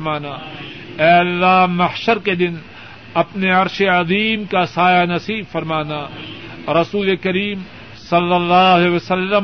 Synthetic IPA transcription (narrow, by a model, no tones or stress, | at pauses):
maːnaː | ɛːɐlːaːmɐhʃəɾked̪ɪn | ɐpneɐɾʃeɐðiːmkasaːjanɐsiːbfɐɾmaːnaː | ɾɐsuːlekɐɾiːm | sɐlːɐlːaːɦeʋɐsɐlːə